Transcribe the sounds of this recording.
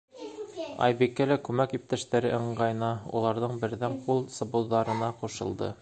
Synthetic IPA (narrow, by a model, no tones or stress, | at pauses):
ɑ̰jbikːælækʉmækip̚t̪æʃt̪æɾɘʔɤ̆ɴɢɑjnɑṵlˠɑɾðɤɴbɘ̆ɾðæɴqulˠsŏbuðɑɾɤ̆nɑquʃɤ̆lˠd̪ɤ̰